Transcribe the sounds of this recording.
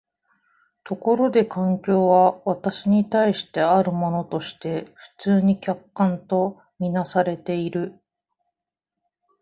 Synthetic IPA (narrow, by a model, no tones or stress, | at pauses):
t̪o̞ko̞ɾo̞d̪e̞kãŋkʲo̞ːβaβat̪aɕiɲ̟it̪aiɕi̥t̪e̞aɾɯ̟mo̞no̞t̪o̞ɕi̥t̪e̞ɸɯ̟̥t͡sɨːɲ̟ikʲakːãnt̪o̞ | mʲinasaɾe̞t̪e̞iɾɯ̟